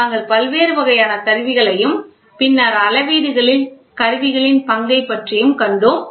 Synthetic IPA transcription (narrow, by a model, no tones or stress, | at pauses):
aːŋɡɐɭpɐlʋeːɾɯʋɐɣɐjaːnɐt̪ɐɾʋɪɣɐɭɐjɯm | pɪnːaːɾɐlɐʋiːðɯɣɐɭɪl | kɐɾɯʋɪɣɐɭɪnpɐŋɡɐɪpːɐʈrɪjɯmkɐɳɖoːm